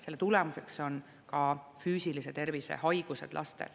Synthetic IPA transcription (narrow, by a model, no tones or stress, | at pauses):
se̞lːet̪ulemuse̞kso̞n | kɑfyːsiliset̪e̞rvise̞̰hɑjɡ̥use̞̰d̪̥lʔɑ̰st̪ḛl